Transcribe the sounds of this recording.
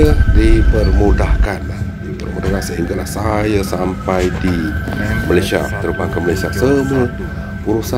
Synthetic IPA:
ədipərmudahkanlah | t̪ərmudakasəɦiŋɡalahsajəsampajdi | malajsia̰tt̪əɾubaŋkəmalasiasəmə | uɾusa

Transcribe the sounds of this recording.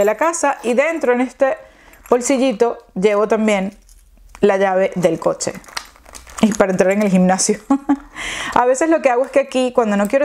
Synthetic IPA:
elakasaʔiðe̞nt̪ɾo̞ene̞st̪e | b̥o̞lsiʝit̪o̞ʝe̞βo̞t̪ambje̞n | laʝaβe̞ðe̞lko̞t͡ʃe̞̰ | ipaɾaent̪ɾaɾe̞ŋe̞lximnasjo | aβe̞se̞slo̞ke̞aɣoe̞skeakikwand̪o̞no̞kjeɾo

